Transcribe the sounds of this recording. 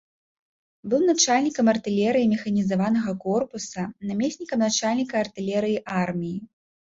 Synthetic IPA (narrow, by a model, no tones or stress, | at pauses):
bɨwnat͡ʂalʲnʲikɐmɐrt̪ɨlʲɛɾɨjimʲɛxɐnʲizavanɐɣɐkɔrpusɐnamʲesʲnʲikɐmnat͡ʂalʲnʲikɐːrt̪ɨlʲɛɾɨjiʔarmʲiji